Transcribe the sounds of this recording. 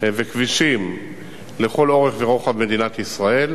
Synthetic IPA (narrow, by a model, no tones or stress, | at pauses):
vekviʃim | le̞χo̞lo̞ʁeχveʁoχavme̞d̪inat̪isʁae̞l